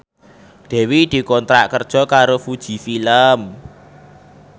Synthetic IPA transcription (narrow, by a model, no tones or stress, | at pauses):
d̪̥ɛ̤wid̪̥i̤kɔnt̪ɾaʔkərd̥ʒ̥ɔ̤kaɾofud̥ʒ̥i̤filəm